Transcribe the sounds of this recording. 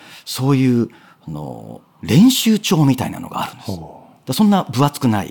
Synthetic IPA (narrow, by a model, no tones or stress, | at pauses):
so̞ːjɯ̟ː | ano̰ | ɾẽ̞ɰ̃ɕɨːt͡ɕo̞ːmʲit̪aina̰no̞ɡa̰ːɾɯ̟̃nd̪̥es | d̥̪asõ̞nːabɯ̟βat͡sɨ̥kɯ̟naḭ